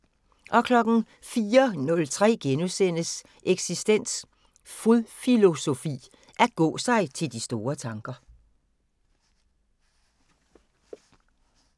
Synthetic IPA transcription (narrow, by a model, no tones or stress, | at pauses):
ʔɒ̽kʰlɒ̽ɡ̥n̩ | fiːɐnɔ̽lt͡sʰʁɛ̰ːɡ̥enusen̰əs | ʔeɡ̥sisd̥en̰s | fuðˠfilo̝so̝fḭː | ʔæɐɡ̥ɔ̰̽ːsɑ̈ɪt͡sʰe̝ld̥isd̥o̝ːɐt͡sʰɑ̈ŋɡ̥ɐ